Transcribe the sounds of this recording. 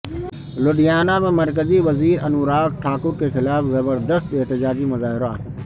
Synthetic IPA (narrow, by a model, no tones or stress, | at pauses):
lʊɖijaːnamɪmɐɾkəziʋɐziːɾɐnuːɾaːk̚ʈʰaːkʊɾkexɪlaːfzɐbəɾd̪əst̪ɪɦt̪ɪd͡ʑaːd͡ʑimɐzaːɦɪɾoaː